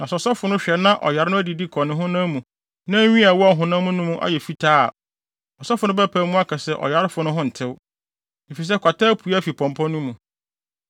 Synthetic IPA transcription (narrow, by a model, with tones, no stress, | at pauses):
nã˨ssɔ˦fʊ˨nʊ̃˦ɕᶣɛ˨nã˦ʔɔ̰˨ja˨ɾɪ˦nʊ̃˦æ˦di˨di˦kʰɔ˨nɪ̃˦ɦʊ̃˦nã˦mũ˨ | nã˦ɲĩ˦a˨wɔ˦a˨ɦʊ̃˨nã˦mũ˦nũ˦mũ˦ʔa̰˨jɛ˨fi˦tʰaː˦˨ | ɔ˨sa˦fʊ˨nʊ̃˦bɛ˦pʰæ˨˦mũ˦a˦kʰa˨sɛ˦ʔɔ̰˨ja˨˦ɾɪ˦fʊ˨nʊ̃˦ɦʊ̃˦n̩˨tʰɪ˦w | i˨fi˨s̬ɛ˦kʰʷa˨taː˦pʰu˨˦a˦fi˨pʰɔ̃˨mpʰɔ̃˦nũ˦mũ˨